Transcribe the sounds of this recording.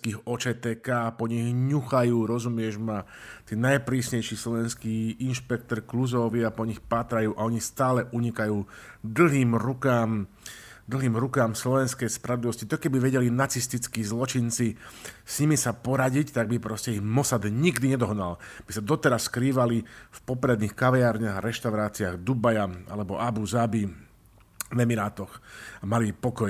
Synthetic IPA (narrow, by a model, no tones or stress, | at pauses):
kiːɣɔt͡ʃɛːt̪ɛːkaːpɔɲiɣɲuxajuːɾɔzumɪɛʒmat̪iːnajpɾiːsɲɛjʃislɔʋɛnskiːinʃpɛk̚t̪ɔɾkluzɔʋiapɔɲixpaːt̪ɾajuːʔaɔɲist̪aːlɛʔuɲikajuːd̪l̩ɦiːmɾukaːm | d̪l̩ɦiːmɾukaːmslɔʋɛnskɛjspɾad̪liʋɔscit̪ɔkɛbiʋɛɟɛlinat͡sist̪it͡skiːzlɔt͡ʃint͡sisɲimisapɔɾaɟict̪aɡ̚bipɾɔscɛiɣmɔsad̪ɲiɡd̪iɲɛd̪ɔɦnalb̥isad̪ɔt̪ɛɾasːkɾiːʋalifpɔpɾɛd̪niːxkaʋɛjaːɾɲaɣaɾɛʃt̪aʊɾaːt͡siaɣd̪ubajaa̰lɛbɔʔabuzabi | ʋɛmiɾaːt̪ɔxamalipɔkɔj